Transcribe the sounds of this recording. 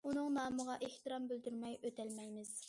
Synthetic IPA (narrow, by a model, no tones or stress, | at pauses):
unɨŋnɑːməʁɑʔeht̪ɨɾɑmbøld̪yɾmɛjøt̪ʰælmɛjmɪz̥